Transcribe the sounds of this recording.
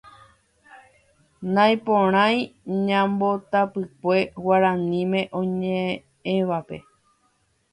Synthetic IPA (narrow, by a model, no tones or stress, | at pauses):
nãj̃põɾ̃ãj̃ɲãmbo̞t̪apɨkʷe̞waɾãnĩmẽ̞ʔõ̞ɲẽ | ẽʋape̞̰